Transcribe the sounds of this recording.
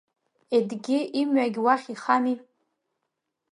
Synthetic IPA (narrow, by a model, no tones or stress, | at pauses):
edɡʲɪʔimɥaɡʲwaχʲiχani